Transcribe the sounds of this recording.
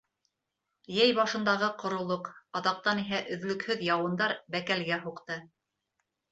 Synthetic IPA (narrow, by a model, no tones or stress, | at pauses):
jæjbɑʃɤ̆nd̪ɑʁɤqŏɾŏlˠoqɑðɑq̚t̪ɑniɦæʔɵ̆ðlɵ̆khɵðjɑwɤ̆nd̪ɑɾbækælɡæɦuqt̪ɤ